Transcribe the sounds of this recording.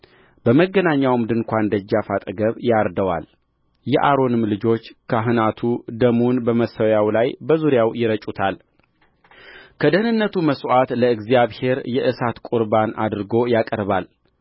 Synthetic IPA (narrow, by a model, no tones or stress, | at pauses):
b̥əməɡːənaɲːawmd̪ɨŋkʷand̪əd͡ʒːafat̪ʼəɡəβjaɾd̪əwa̰l | jɛʔaɾo̞nɨmlɨd͡ʒo̞t͡ʃːkʰəɦɨnat̪ʰud̪əmunbəməsəwjawlajbəzuɾjawjɪɾət͡ʃʼut̪ʰal | kʰəd̪ənɨnːət̪ʰuməsʼwat̪ləɨɡzijaβhe̞ɾjɛʔɨsat̪kʼuɾbana̰d̪ɾɨɡo̞jakʼəɾβal